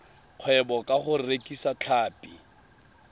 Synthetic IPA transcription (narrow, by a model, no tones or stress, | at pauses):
q͡χʰwɛbɔkʼaχʊrekʼisat͡ɬʰaːpʼi